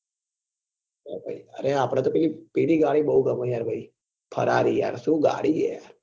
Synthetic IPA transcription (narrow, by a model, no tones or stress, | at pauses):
ja̰ɾbʱa̰iəɾeapɽ̃ẽt̪opɛlipiɽiɡaɽibəɦuɡəməjaɾbʱai | pʰə̰ɾaɾija̰ɾsũɡa̰ɽiɡeja̰ɾ